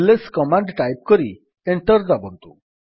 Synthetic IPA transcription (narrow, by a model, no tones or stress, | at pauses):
leskɔmaɳɖʈajp̚kɔɾi | eɳʈəɾd̪abɔnt̪ṵ